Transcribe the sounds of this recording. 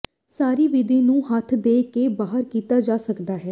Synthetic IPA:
saːɾiːʋɪd̪ẽːnũːɦət̪ʰd̪eːkebaːɦəɾkiːt̪aːd͡ʒaːsəkd̪aːɦɛː

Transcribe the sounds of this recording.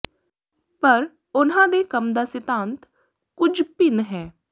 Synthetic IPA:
pəɾ | ʊnãːd̪eːkəmd̪aːsɪt̪ãːnt̪ | kʊd͡ʒpɪnɦɛː

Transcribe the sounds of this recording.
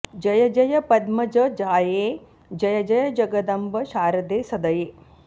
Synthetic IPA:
d͡ʒɐjɐd͡ʒɐjɐpɐd̪mɐd͡ʒɐd͡ʒaːjeː | d͡ʒɐjɐd͡ʒɐjɐd͡ʒɐɡɐd̪ɐmbɐʃaːɾɐd̪eːsɐd̪ɐjeː

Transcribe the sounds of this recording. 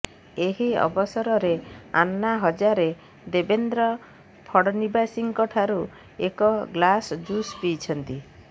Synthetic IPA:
eɦiɔ̰bɔsɔɾɔɾea̰nːaɦɔd͡ʒaɾe | d̪ebend̪ɾɔ | pʰɔɽɔnibasiŋkɔʈʰaɾu | ekɔɡlasd͡ʒuspijt͡ʃʰɔnt̪i

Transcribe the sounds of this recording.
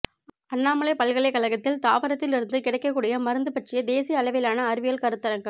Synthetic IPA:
ɐnːaːmɐɭɐɪpɐlɣɐɭɐɪkːɐlɐɣɐt̪ːɪlt̪aːʋɐɾɐt̪ːɪlɪɾɯnd̪ɯkɪɽɐɪkːɐkːuːɽɪjɐmɐɾɯnd̪ɯpɐʈrɪjɐd̪eːsɪjɐɐɭɐʋɪlaːnɐːɾɯʋɪjɐlkɐɾɯt̪ːɐɾɐŋɡɐ

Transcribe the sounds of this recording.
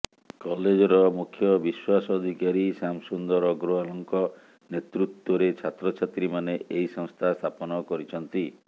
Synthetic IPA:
kɔled͡ʒɔɾɔmukʰjɔbiswasɔːd̪ʱikaɾisamsund̪ɔɾɔɡɾoalɔŋkɔ | net̪ɾut̪wɔɾet͡ʃʰat̪ɾɔt͡ʃʰat̪ɾimaneʔeisɔŋst̪ʰast̪ʰapɔnɔkɔɾit͡ʃʰɔnt̪i

